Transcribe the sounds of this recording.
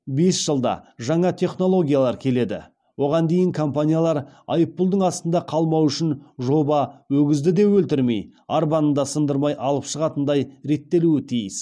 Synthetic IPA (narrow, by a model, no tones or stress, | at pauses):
be̞sʒ̥əlˠd̪ɑ̰ʒɑɴɑt̪ʰe̞χno̞lˠo̞ɡʲijalˠɑɾkʲʰe̞le̞d̪ɪ̰ | wo̞ʁɑnd̪e̞jɪŋkʰo̞mpanʲijalˠɑɾɑ̰jəpːʊlˠd̪əɴɑst̪ənd̪ɑqʰɑlˠmɑwʏʃɪnʒo̞bɑwɵɡʲɪzd̪ɪd̪e̞wɵlt̪ɪɾme̞̰jaɾbɑnənd̪ɑsənd̪əɾmɑjʔɑlˠəpʃəʁɑt̪ənd̪ɑjɾe̞t̪ːe̞luɪt̪ʰijɪs